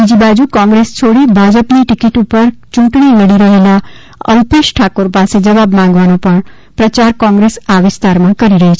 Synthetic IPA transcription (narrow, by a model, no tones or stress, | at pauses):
bid͡ʒibad͡ʒukɔ̃ŋɡɾest͡ʃʰoɽibʱad͡ʒəpniʈɪkiʈupəɾt͡ʃũɳʈɳiməɽiɾəɦela | ə̰wpeʃʈʰakoɾpased͡ʒəʋabmãŋɡʋanõpəɳ | pɾət͡ʃaɾkɔ̃ŋɡɾesaʋɪst̪aɾmãkəɾiɾəɦit͡ʃʰe